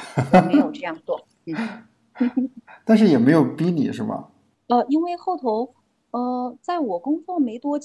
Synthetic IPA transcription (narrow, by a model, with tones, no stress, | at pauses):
ee˧ɪjo˨˩ʊʈ͡ʂɤ˥˧jɑ˥˧ŋt̪wɑ˥˩ŋ | n̩˥˩˥ | t̪a˥˧nʂ̬ɻ̩˥˩jɛ˨˩me˧˥ɪjo˨˩ʊpi˥nḭ˨˩˦ʂɻ̩˥˩bɐ̰˩ | ə˧i˥nwe˥˧ɪxo˥˩ʊt̪ʰo˧˥ʊ | ə˥˧t͡sa˥˩ɪwɔ˨˩kʊ˥ŋfɑ˥˩ŋme˧˥ɪt̪wɔ˥t͡ɕ